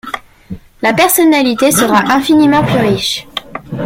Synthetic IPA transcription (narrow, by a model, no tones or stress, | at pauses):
lapɛʁsɔnalit̪esəʁaʔɛ̃finimɑ̃plyʁiʃ